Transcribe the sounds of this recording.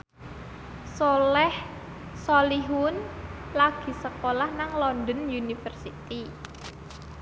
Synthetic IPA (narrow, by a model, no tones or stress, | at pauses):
solɛh | soliɦunlaɡ̥i̤səkolahnaŋlɔnd̪ənjunifərsit̪i